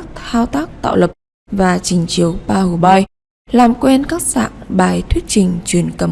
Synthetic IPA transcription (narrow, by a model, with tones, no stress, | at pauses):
k̚t̪ʰaː˧wt̪aː˦˥k̚t̪a̰ː˧˨wlə˨˩p̚ | vaː˨˩t͡ɕï˨˩ŋ̟t͡ɕi˨˦əwɓaː˧hu˨˩ɓɔ˧j | laː˨˩mkwe˧nkaː˦˥k̚sa̰ː˧˨ŋɓaː˨˩jt̪ʰwi˦˥ət̚t͡ɕï˨˩ŋ̟t͡ɕwi˧˩ənkə˨˧˩